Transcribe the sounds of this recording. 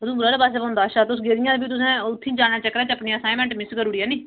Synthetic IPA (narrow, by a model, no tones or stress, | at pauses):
d̪ũːbɾaːɾeːpaːseːbãːnd̪aːʃaːt̪eʊs̬ɡeːɾɪjãːd̪ebiːt̪̬ʊs̬ɛ̃ːʊt̪ʰːĩːd͡ʒãːaːt͡ʃəkːɾɛːt̪eəpɳiːasaːimɛ̃ːɳʈmɪskəɾuːɽiːɛːnĩː